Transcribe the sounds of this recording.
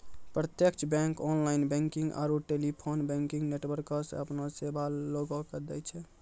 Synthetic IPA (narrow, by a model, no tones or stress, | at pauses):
pɾət̪jekt͡ʃʰbɛ̃ŋkɔnlainbɛ̃ŋkĩŋɡa̰ɾoʈelipʰonbɛ̃ŋkĩŋɡneʈwəɾkɔsḛ̃əpnosebʱaloɡɔkəd̪ɛjt͡ʃʰɛ